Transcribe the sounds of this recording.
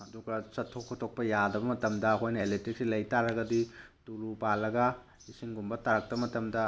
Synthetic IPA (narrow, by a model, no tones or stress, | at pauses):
ɐduɡɐsɐtʰːokʰːotʰok̚pɐjadɐbɐmɐtɐmdɐɐkʰojnɐeletik̚silɐjtaɾɐɡɐdituɾupalːɐɡɐ | isiŋɡumbɐtaɾɐk̚tɐbɐmɐtɐmdɐ